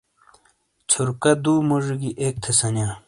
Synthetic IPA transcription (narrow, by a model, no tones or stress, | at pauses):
t͡ɕʰuɾkɐd̪uːmuʐuɡiʔeːk̚t̪ʰesɐnjaː